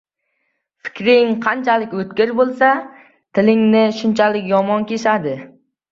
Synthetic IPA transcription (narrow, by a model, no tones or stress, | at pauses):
fɪ̥kʲɾɪŋqʰɑnt͡ʃʰalɪkʲɵt̪kʲɪɾbolˠsa | t̪ʰɪlɪŋnɪʃʊnt͡ʃʰalɪkʲjɒmɒnkʲe̞ʃad̪ɪ